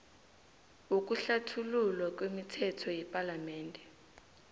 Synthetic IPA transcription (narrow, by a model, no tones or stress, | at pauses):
uk̬ʼuɬatʰululwak̬ʼwemitʰɛtʰɔjɛpʼalamɛːndʱɛ